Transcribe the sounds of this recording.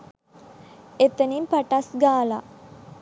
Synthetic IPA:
et̪ənimpaʈasɡaːla

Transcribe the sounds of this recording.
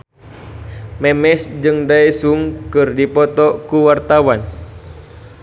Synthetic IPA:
mɛmɛsd͡ʒɨŋdaɛsuŋkɨrdipɔt̪ɔkuwart̪awan

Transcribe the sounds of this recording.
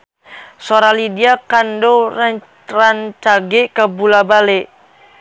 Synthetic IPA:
soɾalidiakandora | rant͡ʃaɡɛkabulabaleʔ

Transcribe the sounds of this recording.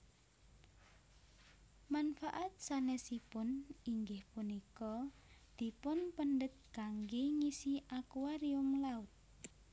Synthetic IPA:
manfaʔat̪̚sanɛsipʊniŋɡɪhpunikɔd̪̥i̤pʊnpənɖət̪̚ɡ̥aŋɡeŋisiʔakuwaɾiʊmlaʊt̪̚

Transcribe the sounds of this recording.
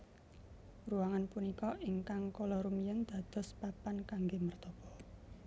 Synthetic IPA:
ruwaŋanpunikɔʔiŋkaŋkɔlɔɾumijənd̪̥ä̤d̪̥ɔ̤spapankaŋɡemərt̪ɔpɔ

